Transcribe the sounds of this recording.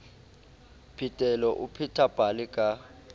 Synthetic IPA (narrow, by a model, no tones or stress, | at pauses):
pʰitʼɛlɔʔupʰitʰab̥ʱalikʼa